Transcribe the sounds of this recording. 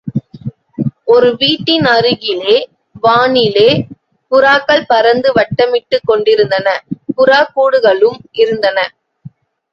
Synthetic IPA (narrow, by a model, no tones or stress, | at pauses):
ɔɾɯʋiːʈːɪnɐɾɯɣɪleː | ʋaːnɪleː | pʊɾaːkːɐɭpɐɾɐnd̪ɯʋɐʈːɐmɪʈːɯkːɔɳɖɪɾɯnd̪ɐnɐkʊɾaːkːuːɽɯɣɐɭɯmɪɾɯnd̪ɐnɐ